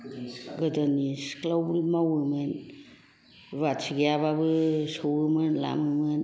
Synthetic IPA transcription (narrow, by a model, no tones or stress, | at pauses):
ɡɯdanisklawblmawɯmɯn | ɾatsiɡijaβabɯsowɯmɯnla̰mɯmɯn